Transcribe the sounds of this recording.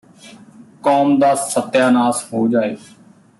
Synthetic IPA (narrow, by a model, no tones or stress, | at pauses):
kɔːmd̪aːsət̪ːjaːnaːsɦoːd͡ʒaːeː